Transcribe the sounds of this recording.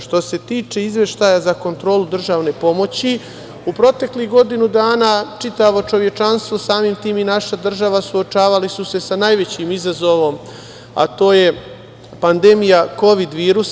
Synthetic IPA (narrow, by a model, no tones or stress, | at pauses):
ʃt̪o̞se̞t̪iːt͡ʂe̞izʋe̞ʃt̪ajazako̞nt̪ɾo̞ːlud̪r̩ʒaːʋne̞po̞mo̞t͡ɕi | upɾo̞t̪e̞kliɣɡo̞d̪inud̪aːnaːt͡ʃit̪aʋo̞t͡ʃo̞ʋje̞t͡ʃanst̪ʋosaːmimt̪iːminaʃad̪r̩ʒaʋasuot͡ʃaːʋalisuse̞sanajʋe̞t͡ɕimizazo̞ʋo̞m | a̰t̪o̞ːje̞ | pand̪e̞mijako̞ʋid̪ʋiːɾus